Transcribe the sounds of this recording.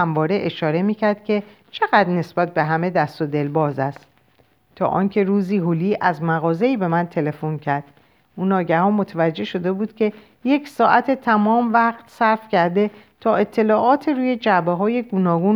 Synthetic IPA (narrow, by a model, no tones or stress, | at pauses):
æmvɒːɾe̞ʔeʃɒːɾe̞miːcʰæɾd̪̚cʰʲe̞ | t͡ʃʰe̞ɣæd̪ne̞sbæt̪̚be̞ɦæme̞d̪æst̪od̪e̞lbɒːzæst̪ | t̪ʰɒ̰ːʔɒːncʰe̞ɾuːziːɦuliːʔæzmæɣɒːze̞iːbe̞mænt̪ʰe̞le̞foncʰæɾd̪̥ | ʔuːnɒːɟæhɒːmot̪ʰevæd͡ʒːe̞ʃo̞d̪e̞buːd̪̥cʰʲe̞ | je̞ksɒːʔæt̪ʰet̪ʰæmɒːmvæʁt̪sæɾfcæɾd̪e̞ | t̪ʰɒːe̞t̪ʰːe̞lɒːʔɒːt̪ʰeɾuːje̞d͡ʒæbeɦɒːje̞ɡonɒːɡuːn